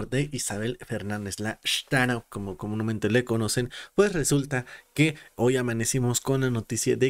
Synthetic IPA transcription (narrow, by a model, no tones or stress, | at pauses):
ɾd̪eʔisaβelfeɾnand̪ezlaʃt̪anawkomokomunomẽnt̪elekonosenpwesresult̪akeojamanesimoskonlanot̪isjaðe